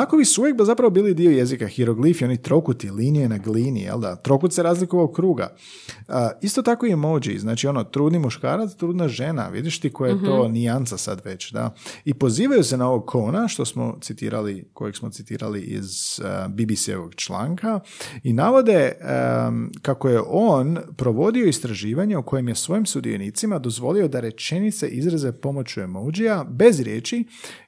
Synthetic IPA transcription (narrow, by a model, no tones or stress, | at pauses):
akobisuuːjek̚b̪azapɾaʋobiːlid̪ioje̞zikaxiɾo̞ɡlifio̞nit̪ɾo̞kut̪ilinijenaɡliːnḭjḛlˠd̪at̪ɾo̞kut̪seɾaːzlikoʋaoɡkɾuːɡa̰ | ist̪o̞t̪ako̞imod͡ʑḭznaːt͡ʃio̞not̪ɾuːd̪nimuʃka̰ːɾat̪st̪ɾuːd̪naʒe̞na̰ʋḭd̪iʃt̪ikojajet̪oniant̪sasa̰d̪ʋe̞t͡ɕd̪a̰ipo̞ziːʋajusenao̞ʋo̞ɡ̚kʰonaʃt̪o̞smo̞̰t̪sit̪ḭːɾaliko̰jeksmo̞t̪sit̪ḭːɾa̰liʔḭzbibisiḛʋo̰ɡt͡ʃla̰ːŋka | inaʋo̞d̪e̞ | kako̞je̞ʔo̞ːnpɾo̞ʋo̞d̪io̞ist̪ɾaʒiːʋaɲe̞uko̞jemje̞sʋo̞jimsud̪ḭḛniːt̪simad̪o̞zʋo̞lio̞d̪aɾe̞t͡ʃe̞nit̪se̞̰ʔizɾaze̞po̞mo̞t͡ɕuemowd͡ʒijabe̞zɾjḛːt͡ʃi